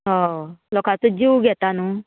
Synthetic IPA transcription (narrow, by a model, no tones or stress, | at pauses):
ɦɔ̃lɔkat͡sud͡ʑiwɡʱɛt̪anuː